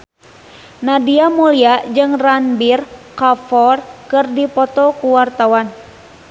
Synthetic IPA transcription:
nadiamuliad͡ʒɨŋranbirkafɔrkɨrdipɔt̪ɔkuwart̪awan

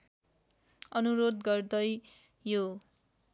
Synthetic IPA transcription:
ʌnuɾod̪ɡʌrd̪ʌj | jo

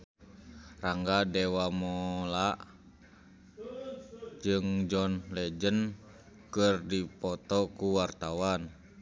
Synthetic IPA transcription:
raŋɡadɛwamɔlaʔ | d͡ʒɨŋd͡ʒɔnlɛd͡ʒən | kɨrdipɔt̪ɔkuwart̪awan

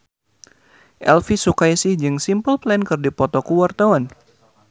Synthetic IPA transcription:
ʔɛlfisukajsɪhd͡ʒɨŋsimpəlplɛnkɨrdipɔt̪ɔkuwart̪awan

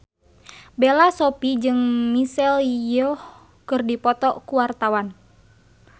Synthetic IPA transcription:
belasopid͡ʒɨŋmisɛljɔh | kɨrdipɔt̪ɔkuwart̪awan

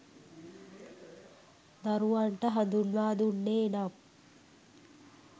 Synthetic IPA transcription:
d̪aɾuʋaɳʈəɦɐd̪unʋaːd̪unːeːnam

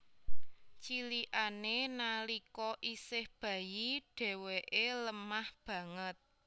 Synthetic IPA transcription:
t͡ʃiliʔanenalikɔʔisɪhb̥ä̤jiɖ̥ɛ̤weʔeləmahb̥ä̤ŋət̪̚

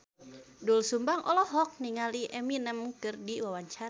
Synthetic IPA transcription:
dulsumbaŋʔɔlɔɦɔk̚niŋaliʔɛminəmkɨrdiwawaɲt͡ʃaɾ

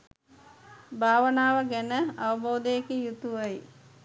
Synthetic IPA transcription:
bʱaːʋənaːʋəɡænəɐʋəboːd̪əjekijut̪uʋəj

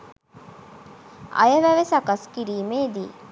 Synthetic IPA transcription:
ɐ̰jəʋæʋesɐkɐskiɾiːmeːd̪iː

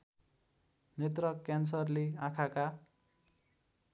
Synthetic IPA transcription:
net̪rʌkjansʌrleãkʰaka

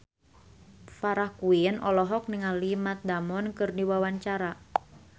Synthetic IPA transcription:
faɾahkuinɔlɔɦɔk̚niŋalimat̪̚damɔnkɨrdiwawaɲt͡ʃaɾa

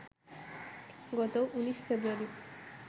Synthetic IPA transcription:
ɡɔt̪oʔuniʃfebɾuaɾi

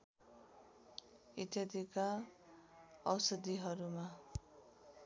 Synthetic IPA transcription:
it̪jad̪ika | ʌ̰wsʌd̪iɦʌɾuma

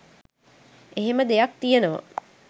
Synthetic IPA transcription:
eɦeməd̪ejak̚t̪ijenəʋa̰

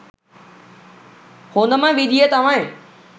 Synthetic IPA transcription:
hõːnd̪əmãʋid̪ʱiet̪ɐʋãẽ

